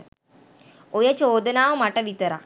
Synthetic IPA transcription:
ojət͡ʃoːd̪ənaːʋəmaʈəʋit̪əɾa̰

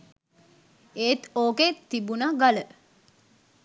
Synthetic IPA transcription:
eːt̪oːket̪ːibunaɡalə

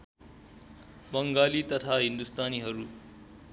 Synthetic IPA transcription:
bʌŋɡaːlit̪ʌt̪ʰaɦind̪ust̪aːniɦʌɾu

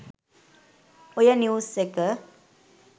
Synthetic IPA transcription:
ojənjuːsːekə

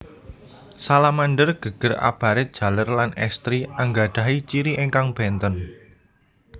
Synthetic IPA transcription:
salamaɳɖərɡ̥ə̤ɡ̥ə̤ra̰b̥ä̤ɾɪd̥ʒ̥ä̤lərlanɛ̰st̪ɾiaŋɡaɖ̥a̤ɦit͡ʃiɾiʔeŋkaŋb̥ɛnt̪ɔn

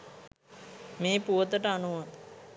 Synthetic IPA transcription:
meːpuʋət̪əʈəanuʋaŋ

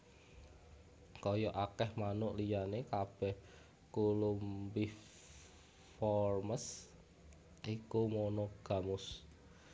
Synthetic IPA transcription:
kɔjɔʔakɛhmanʊʔlijanekab̥ɛh | kulumbi | fɔrməs | ʔikumonoɡ̥a̤mʊs

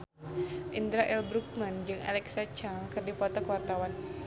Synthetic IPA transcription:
ʔind̪ɾaʔɛlbɾuk̚mand͡ʒɨŋa̰lɛksat͡ʃaŋkɨrdipɔt̪akuwart̪awan

